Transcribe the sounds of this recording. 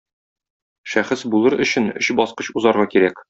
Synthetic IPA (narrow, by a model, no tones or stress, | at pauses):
ʃæχɘsbulˠɤɾɵ̆ɕɘnɵ̰̆ɕbɒsqɤɕuzɑɾʁɑkiɾæk